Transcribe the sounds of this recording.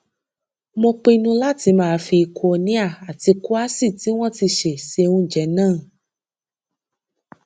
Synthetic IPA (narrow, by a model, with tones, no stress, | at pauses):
mõ˧k͡pe˧nũ˧la˦ti˨˧˦mãː˨˦fi˧kʰo˧nĩ˦a˦˨a˨ti˧ku˦a˦si˦˨ti˨˦w̃ɔ̃˦ti˧ʃe˨se˧ũ˧d͡ʒɛ˨˦nãː˦˨